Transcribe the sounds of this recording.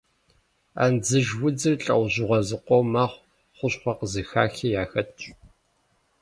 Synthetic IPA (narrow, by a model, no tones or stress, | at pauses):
a̰ːnd͡zɨʒwʊd͡zɨrɬʼɐ̰wʑɪʁʷɔzɨqʷɔwmaːχʷ | χʷʊɕχʷɐqəzɨxa̰ːxijaːxɐtʰʼɕʼ